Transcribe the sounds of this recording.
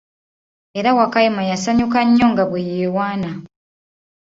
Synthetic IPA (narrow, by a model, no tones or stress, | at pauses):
e̞ɾawakajimajasaɲukaɲːo̞ŋɡaβwejeːwaːna